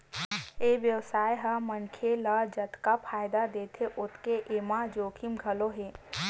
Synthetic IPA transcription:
eʋjəwsaːjɦəmənkʰeləd͡ʒət̪kapʰaːjd̪ad̪eːt̪ʰeʔot̪keʔemad͡ʒoːkʰimɡʱəloɦe

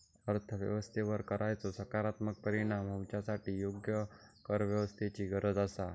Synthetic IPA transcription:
əɾt̪ʰəʋjə̰ʋəst̪ʰeʋəɾkəɾʔajt͡sosəkaɾat̪mək̚pəɾiɽ̃amɦũmt͡ʃasaʈijoɡjəkəɾʋjəʋəst̪ʰet͡ɕiɡəɾəd̪əsa

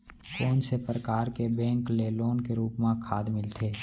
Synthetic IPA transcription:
koːnsepɾəkaːɾkebɛ̃ːŋkleːloːnkeɾuːpmãkʰaːd̪mɪlt̪ʰeː

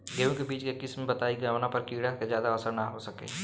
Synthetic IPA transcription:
ɡeõkebiːt͡ʃkekɪsmebət̪aːiɡaːʋnapəɾkiːɽaked͡ʒjaːd̪aəsəɾnaɦosəkḛː

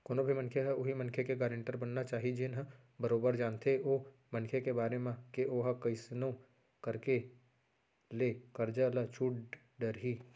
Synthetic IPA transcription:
koːnobʱimɐ̃nkʰeɦɛʊɦimɐ̃nkʰekeɡaːɾɪ̃ɳʈəɾbɐnːat͡ʃaːɦid͡ʒenɦə̃ | bəɾoːbəɾd͡ʒaːnt̪ʰeoː | mɐ̃nkʰekebaːɾemãkeʔoːɦakɐɪsnõ | kɐɾke | leːkɐɾd͡ʒalat͡ʃʰuːʈ | ɖəɾɦi

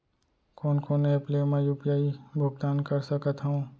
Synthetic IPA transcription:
koːnkoːnepleːmãjuːpjaːibʱʊɡt̪aːnkəɾsəkət̪ɦõ

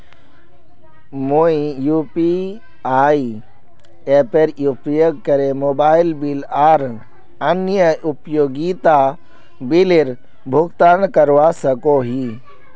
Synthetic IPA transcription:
moijupi | aːi | eːpeɾupjoɡ̚kəɾemoːbaːɪlbilaːɾ | ənjəupjoːɡit̪a | bileɾ | bʱʊkt̪ankəɾʋasəkoɦi

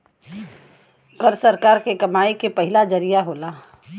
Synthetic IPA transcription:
kəɾsəɾkaːɾkekɐmaːekepəɦɪlad͡ʒəɾijaɦoːlaː

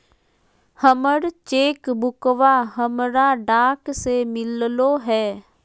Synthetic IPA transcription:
həməɾt͡ʃeːkbʱʊkʋaɦəmɾaɖaːksemɪlloɦɛː

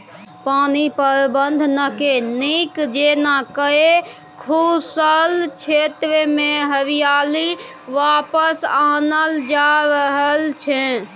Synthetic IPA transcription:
paːnipəɾbənd̪ʱnəkenikd͡ʒenakəe | kʰusəlt͡ʃʰet̪ɾəmẽɦəɾijaːli | ʋaːpəsaːnəld͡ʒaɾəɦəlt͡ʃʰẽ

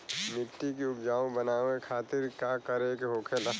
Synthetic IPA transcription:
mɪʈːikiʊpd͡ʒaːũbənaːõekʰaːt̪ɪɾkakəɾekeɦoːkʰelɐ

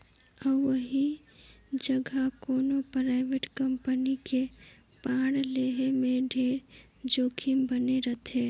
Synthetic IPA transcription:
əbːəɦi | d͡ʒəɡʱakoːnopɾaɪʋeʈkəmpənike | pãɽleɦemẽɖʱeːɾ | d͡ʒoːkʰimbəneɾət̪ʰe

